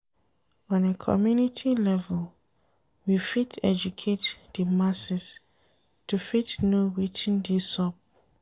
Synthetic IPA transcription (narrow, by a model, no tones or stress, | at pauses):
ɔ̃nekʰɔ̰mjunitʰilɛvɛl | wifitʰɛd͡ʒukʰetd̥əmasɪs | tʰufitnuwitʰĩndisɔp̚